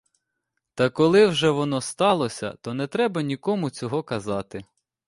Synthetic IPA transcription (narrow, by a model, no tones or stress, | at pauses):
t̪ɐkɔlˠɪwʒɛʋɔnɔst̪ɑlˠɔsʲɐ̰t̪ɔnɛt̪ɾɛbɐnʲikɔmʊt͡sʲɔɦɔkɐzɑt̪ɪ